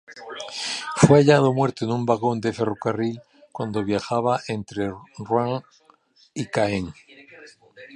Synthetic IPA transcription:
fejaʎaðomweɾt̪onũmbaɣond̪eferokaril | kwand̪oβjaxaβ̞aʔent̪ɾerwaŋ | ikaeŋ

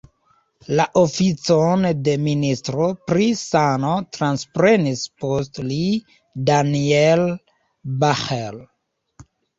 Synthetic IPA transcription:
laʔofit͡sonde̞ministɾopɾisanotɾanspɾe̞nispostli | daniel | baxel

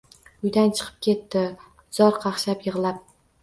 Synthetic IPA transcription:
ʊjd̪ant͡ʃʰɨ̥qʰɨ̥p̚kʲe̞t̪ːɪ | z̥ɒɾqʰɑχʃapjɨʁlˠap̚

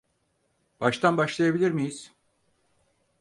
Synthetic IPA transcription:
b̥aʃt̪anbaʃlˠajabilʲiɾmijiz̥

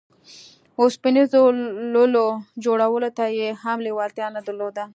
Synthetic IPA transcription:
ospinizololod͡ʒoɽawəlot̪ajehamliwɑlt̪jɑnad̪əɾlod̪a

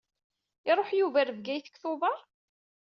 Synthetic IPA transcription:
ɪɾˤoħjuvæɾəvɡæjθə̥kθʊvɑˤ

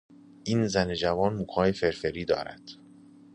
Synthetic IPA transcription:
ʔiːnzæne̞d͡ʒævɒːnmuːkʰɒːjefe̞ɾfeɾiːd̪ɒ̰ːɾæ̰d̪̥

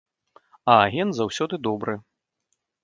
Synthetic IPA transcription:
ɐːɣʲɛnt̪zawsʲɔd̪ɨd̪ɔbɾɨ

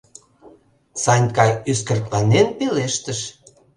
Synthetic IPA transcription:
sɑnʲkɑjyskərt̪lɑnenpeleʃt̪əʃ

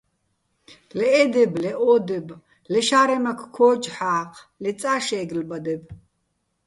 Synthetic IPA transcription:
lɛʔɛd̪ɛblɛʔɔːd̪ɛb | lɛʃaːɾɛmakʰkʰɔːd͡ʒħaːqʰlɛt͡sʼaːʃɛːɡlbad̪ɛb

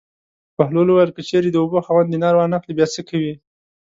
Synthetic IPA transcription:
pahloluwajəlkət͡ʃeɾed̪əoboxawand̪inɑɾwɑnaxlibjɑt͡səkʰawi

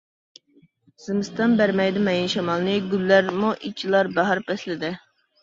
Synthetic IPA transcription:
z̥ɪmɨst̪ɑnbæɾmɛjd̪ɪmɛjinʃɑmɑlˠnɨɡʲylːæɾmuʔit͡ʃʰilˠɑɾbæɦɑɾpʰɛslɪd̪ɪ

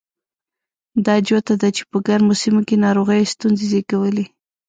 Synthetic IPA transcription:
d̪ɑd͡ʒot̪ad̪at͡ʃe̥pəɡaɾmosimokenɑɾoɣəjst̪unzezekawəle

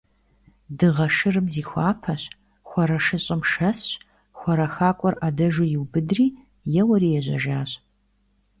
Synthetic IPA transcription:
dɨʁɐʂɨrɨmziːxʷɑːpʰɐɕ | xʷɔɾɐʃɨɕʼɪmʃɐsɕ | xʷɔɾɐxaːkʷʼɔrʔadɐʒʊjɪwbɨdriː | jɛwɐɾiːjɛʑɐ̰ʒaːɕ

